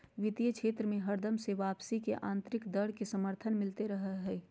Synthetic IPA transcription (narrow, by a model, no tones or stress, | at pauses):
ʋɪt̪ijəkʃʰeːt̪ɾəmẽɦɐɾd̪əmseʋaːpsikeʔãːnt̪ɾɪkd̪əɽ̤kesɐməɾt̪ʰənmɪlt̪eɾɐɦəɦɛː